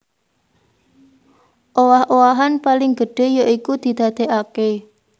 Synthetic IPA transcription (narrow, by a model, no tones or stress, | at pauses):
ʔowahʔowaɦanpalɪŋɡə̤ɖ̥e̤joʔikud̪̥i̤d̪̥a̤d̪̥e̤ʔake